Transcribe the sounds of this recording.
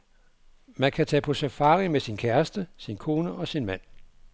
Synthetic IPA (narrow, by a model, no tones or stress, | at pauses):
mænkʰæt͡sʰɛ̰ːpʰɒ̽sæfɑ̈ːʁimesinkʰæɐsd̥əsinkʰo̝ːnəʔɒ̽sinmæn̰